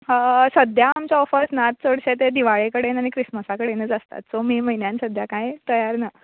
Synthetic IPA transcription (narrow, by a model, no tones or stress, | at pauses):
səd̪jaːmt͡ɕjaɔfəsnat̪̚t͡səɽɕet̪ed̪iʋaɭekəɽenaɽ̃ikɾisməsakəɽenəd͡zast̪a̰t̪somiːməɦinjãnsəd̪ʱjakãjt̪əjaɾnə